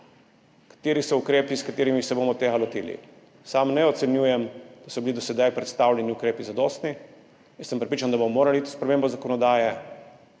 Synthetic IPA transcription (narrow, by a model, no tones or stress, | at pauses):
kḁt̪eːɾisɔukɾeːpiskat̪eːɾimisɛbomɔt̪eːɡalot̪ḭːlḭ | samnɛɔt̪sɛnjuːjɛmd̪̥asɔbilid̪ɔsɛd̪ajpɾɛt̪st̪awlʲjɛniukɾeːpizad̪ɔːst̪ni | jɛnsəmpɾɛpɾit͡ʃand̪abomɔmoːɾaliit̪i̥spɾɛmeːmbɔzakɔnɔd̪aːjɛ